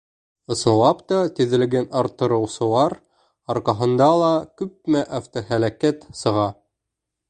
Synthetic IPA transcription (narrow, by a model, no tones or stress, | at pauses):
ɤ̆sɤ̆wɑpt̪ɑt̪ɘ̆ðɘ̆lɡænɑɾt̪ːɤ̆ɾɤ̆wsɤ̆lˠɑɾ | ɑɾqɑɦɤ̆nd̪ɑlˠɑkʉp̚mæʔaft̪oɦælækæt̪sɤ̆ʁɑ